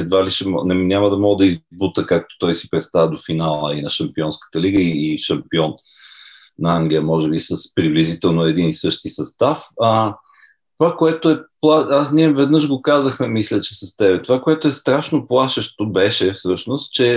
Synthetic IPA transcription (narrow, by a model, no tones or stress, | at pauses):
ɛd̪valiʃɛmɔ̰nɛnʲaməd̪ɐmɔɡəd̪ɐizbut̪əkak̚t̪o̥t̪ɔjsipɾɛt̪st̪avəd̪ofinalˠəinɐʃɐmpiɔnskə̥t̪əliɡəiːʃɐmpiɔn | nɐaŋɡlʲijəmɔʒɛbisəspɾiblizit̪ɛlˠnoɛd̪inisɤʃt̪isɐst̪afə | t̪ovakoɛt̪oɛplˠaasniɛvɛd̪nɤʃɡokazəxmɛmislʲət͡ʃɛ̥sɐst̪ɛbɛt̪ovakoɛt̪oɛst̪ɾaʃnoplˠaʃəʃt̪obɛʃɛfsɤʃnost̪t͡ʃɛ